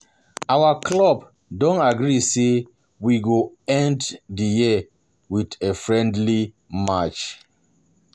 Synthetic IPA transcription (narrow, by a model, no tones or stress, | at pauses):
awaklɔb | dɔ̃naɡɹise | wiɡo | ɛ̃nddijiə | widefɹɛ̃ndli | mat͡ʃ